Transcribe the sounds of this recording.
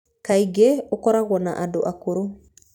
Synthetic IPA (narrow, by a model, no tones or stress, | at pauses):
kaiɡeokɔɾaɡɔna̰ʔadoʔakoɾo